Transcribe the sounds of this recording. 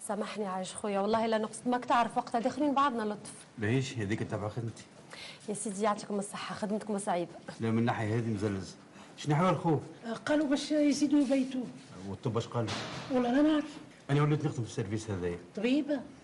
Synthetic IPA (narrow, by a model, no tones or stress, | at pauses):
sæmaħniʕaɪʃxujːæwɑlˤːɑːhʔɪlːænʊqsmækt̪aʕɾˤəfwɑqt̪æd̪æxliːnbɑʕd̪ˤnælot̪ˤf | mæhiːʃhæðiːkət̪ːabʕaxəd̪mt̪i̥ | jæsiːd̪ijaʕt̪iːkʊməsˤːəħːɑxad̪əmt̪kʊməsˤɑʕiːbalæmənːaħjæɦæːðimzælːæz | ʃniħəbːælxuːfqɑːlubæʃjziːd̪ubæjt̪uwət̪ˤːobːæʃqɑːluwɑlːɑlænaʕk̪i | ʔænæwlːiːt̪nəxd̪əmfi̥seɾviːshæðæjæt̪ˤɑbiːba